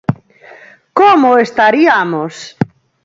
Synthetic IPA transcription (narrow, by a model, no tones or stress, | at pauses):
komoest̪aɾiamos